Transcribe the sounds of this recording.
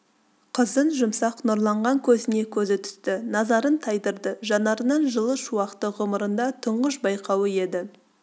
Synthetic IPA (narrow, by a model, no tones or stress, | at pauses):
qʰəzənʒʊmsɑqnʊɾlˠɑɴʁɑŋkʲʰɵzɪne̞kʲʰɵzɪt̪ʰʏ̥st̪ɪnɑzɑɾənt̪ʰɑjd̪əɾd̪əʒɑnɑɾənəɴʒəlˠəʃuwɑqt̪əʁʊməɾənd̪ɑt̪ʰʊɴʁəʃbɑjqʰɑwəje̞d̪ɪ